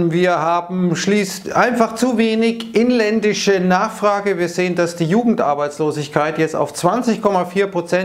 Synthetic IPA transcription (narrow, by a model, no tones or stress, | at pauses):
viːɐɦaːbm̩ʃliːstʔaɪnfaχt͡suveːnɪçʔɪnlɛndɪʃənaːχfʁ̥aːɡəviːɐzeːəndasd̥iːjuːɡŋ̩tʔa̰ɐbaɪt͡sloːzɪçkʰaɪtjɛt͡sta̰ʊft͡sv̥ant͡sɪçkʰɔmafiːɐpʁ̥ot͡sɛ